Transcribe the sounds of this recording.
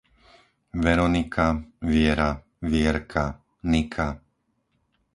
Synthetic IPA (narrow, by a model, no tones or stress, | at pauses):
ʋɛɾɔnikʰaʋɪɛɾa | ʋɪɛɾkʰa | nikʰa